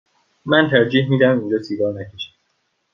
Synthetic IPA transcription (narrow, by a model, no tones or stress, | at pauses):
mænt̪ʰæɾd͡ʒiːhmiːd̪æmind͡ʒɒːsiːɡɒːɾnækʰeʃæ̥d̪